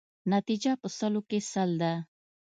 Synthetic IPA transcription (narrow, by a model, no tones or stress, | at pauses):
nat̪id͡ʒapəsəlokesald̪a